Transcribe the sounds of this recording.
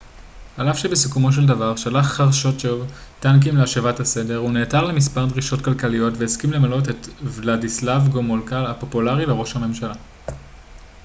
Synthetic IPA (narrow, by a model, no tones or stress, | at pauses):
alafʃebesukumo̞ʃ̬e̞ldavaʁʃalaχːaʁʃo̞tʃetank̬imleaʃevathase̞de̞ʁuneːtaʁlemispaʁdʁiʃo̞tkalkalijo̞tveːskimle̞malotetvladislavɡomolkalapo̞pulaʁileʁo̞ʃhame̞mʃala